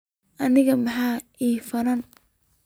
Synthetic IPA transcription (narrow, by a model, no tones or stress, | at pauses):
ʔɐnɪɣɐmɐħaːiːfɐɾɐn